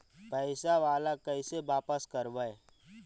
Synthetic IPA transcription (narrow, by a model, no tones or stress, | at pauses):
pəɪsaʋaːlakəɪseʋaːpəskəɾʋəe